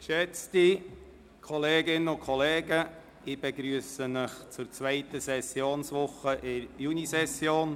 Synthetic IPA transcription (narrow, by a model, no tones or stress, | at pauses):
kʃɛt͡sti | kʰɔleːɡɪnəʊkʰɔleːɡə | ɪb̥ɛɡɾyəsəməχt͡sʊɾt͡svɛɪtəsɛsjoːnsʋʊχəʔɪɾjunisɛsjoːn